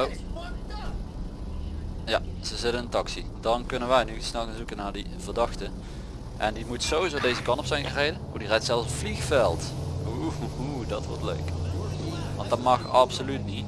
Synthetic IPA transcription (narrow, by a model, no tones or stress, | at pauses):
o | jaz̥əzɪtənɪntɑksidɑnkɵnənʋɛjnysnɛlˠɣanzukənaːɹdi | vərdɑxtə | ʔɛndimutsowizowdejzəkɑntɔpsɛjnərejdəno̰dirɛjtsɛlˠfsflixfɛlˠtɦuuɦudɑtʋɔ̰ɹtlø̰ɥk | ʋɑntdɑtmɑxɑpsolytnit